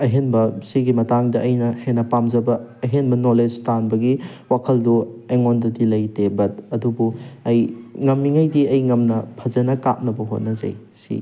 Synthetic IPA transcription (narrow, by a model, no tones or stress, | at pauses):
ɐɦenbɐsiɡimɐtaŋdɐʔːjnɐhenɐpamzɐbɐɐɦenbɐnoled͡ʒtanbɐɡiwakʰɐldueŋondɐdilɐjtebɐt̚ɐdubuɐjŋɐmːiŋɐjdiɐjŋɐmnɐpʰɐzɐnɐka̰p̚nɐbɐɦo̰t̚nɐzɐ̰j | sḭ